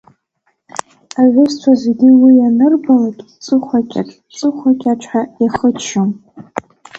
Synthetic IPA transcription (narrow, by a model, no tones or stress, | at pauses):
aʕʷʊstʷʰazeɡʲiwijanɨrbalakʲʼt͡sʼɨχʷakʲʼaʈ͡ʂʼ | t͡sʼɨχʷakʲʼaʈ͡ʂʷʰʼħajaχət͡ʃʰom